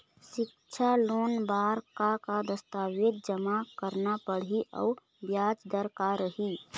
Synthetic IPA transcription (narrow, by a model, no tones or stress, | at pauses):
ʃɪk | t͡ʃʰalonbaɾkakad̪əst̪awit̪̚d͡ʒəmakəɾnapəɽɦiʔə̰u | bjad͡ʒd̪əɾkaɾəɦi